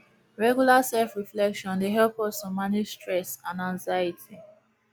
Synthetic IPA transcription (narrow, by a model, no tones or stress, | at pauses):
ɹɛɡjulasɛlfɹiflɛkʃɔ̃ndeɦɛlpɔstɔ̃manistɹɛsãnãŋzaɪitʰi